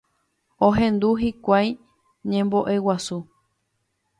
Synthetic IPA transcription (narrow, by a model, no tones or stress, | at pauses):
õɦẽ̞nd̪uɦikʷaj | ɲẽ̞mbo̞ʔe̞wasu